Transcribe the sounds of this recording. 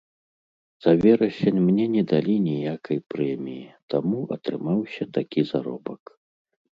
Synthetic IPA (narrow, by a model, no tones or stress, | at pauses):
z̥avʲɛɾɐsʲɛnʲmnʲɛnʲɛd̪alʲinʲijakʰɐjpɾɛmʲijit̪ʰamuʔɐ̰t̪ɾɨmawsʲɐt̪akʲizaɾɔ̰bɐk